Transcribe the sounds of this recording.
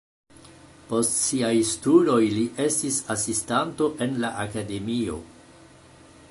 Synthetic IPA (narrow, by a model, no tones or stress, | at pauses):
po̞stsiajstudo̞jliʔe̞stisasistanto̞ʔe̞nlaʔakade̞mio̞̰